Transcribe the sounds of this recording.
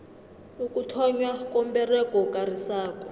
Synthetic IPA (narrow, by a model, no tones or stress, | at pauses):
ukʼutʰɔɲwakʼɔmbɛrɛkɔkʼarisaːkʼɔ